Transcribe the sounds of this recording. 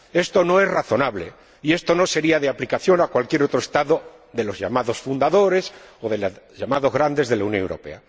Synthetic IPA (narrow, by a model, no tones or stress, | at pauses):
e̞st̪o̞no̞e̞sraθo̞naβle | ie̞st̪o̞no̞se̞ɾiaðeaplikaθjo̞nakwalkjeɾo̞t̪ɾoest̪aðo | ðe̞lo̞zʝamaðo̞sfund̪aðo̞ɾe̞soðe̞la | ʝamaðo̞zɣɾand̪e̞zðelaunjõnewɾo̞̰pe̞̰a